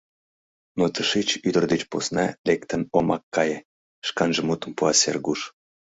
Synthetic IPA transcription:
not̪əʃet͡ɕyd̪ərd̪et͡ɕposnɑlekt̪ənomɑkːɑje | ʃkɑnʒəmut̪əmpuɑsḛrɡuʃ

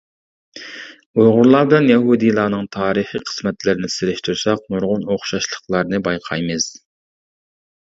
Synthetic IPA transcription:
ojʁʊɾlˠɑːbɪlɛnjɛɦud̪ijlˠɑːnɨŋt̪ʰɑːɾɨχiqʰə̥smɛt̪lɪɾnɪsɪlɪʃt̪ʰuɾsɑq̚muɾʁʊnoχʃɑʃlˠəχlˠɑɾnɨbɑjqʰɑjmɨz̥

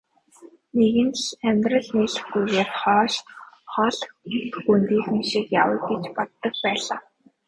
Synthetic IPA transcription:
neɣɘ̆nt̪æmʲt̪rə̆ɮneːɮɘ̆xɡujɣeːrχɔːʃχɔɮxt̪xunt̪iːxinʃikjawə̆jɡet͡ɕpɔt̪ːə̆x̚pæːɮaː

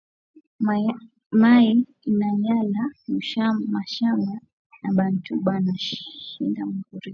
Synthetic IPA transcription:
mai | inaɲalauʃamaʃama | naɓantuɓanaʃʃindamukuɾi

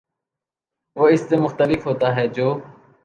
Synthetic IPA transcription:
ʋoːɪst̪eːmʊxt̪əlɪfɦoːt̪aːɦɛːd͡ʒoː

